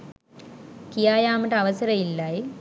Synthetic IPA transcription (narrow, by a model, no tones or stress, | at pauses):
kijaːjaːməʈəɐʋəsəɾɐilːaj